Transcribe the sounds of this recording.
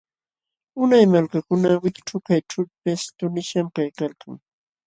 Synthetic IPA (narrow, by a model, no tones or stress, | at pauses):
ʊnajmalkakʊnawɪkʈ͡ʂʊkajʈ͡ʂʊʎpɪst̪ʊnɪʃamkajkalkaŋ